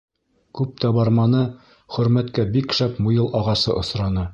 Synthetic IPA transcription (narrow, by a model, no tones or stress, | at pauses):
kʉp̚t̪æbɑɾmɑnɤ | χɵ̆ɾmæt̪kæbikʃæpmujɤlˠʔɑʁɑsɤ̰ʔŏsɾɑnɤ